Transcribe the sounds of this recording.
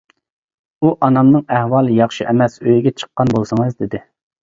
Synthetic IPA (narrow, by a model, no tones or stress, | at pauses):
uʔɑnɑmnɨŋæhwɑːlˠɨjɑχʃiʔɛmɛsøjɡʲɛt͡ʃʰə̥qːɑnbolˠsɨŋɨzd̪ɪd̪ɪ